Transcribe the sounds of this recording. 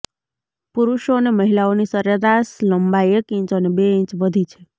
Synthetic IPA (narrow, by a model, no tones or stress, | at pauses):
puɾuʃoneməɦilaonisəɾəɾasləmbaekĩt͡ʃənebeĩɲt͡ʃʋəd̪ʱit͡ʃʰe̥